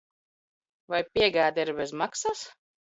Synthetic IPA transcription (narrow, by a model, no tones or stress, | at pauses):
vajpʲiɛɡaːd̪ʲiɾbɛzmaksas